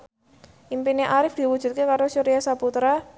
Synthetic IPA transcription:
ʔimpineʔaɾɪfd̪̥i̤wu̥ʒ̥ṳt̪̚kekaɾosuɾijasaput̪ɾa

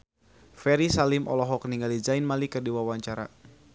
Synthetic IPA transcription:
fɛɾisalimɔ̰lɔɦɔkəniŋɡalid͡ʒajnmalikərdiwawaɲt͡ʃaɾa̰

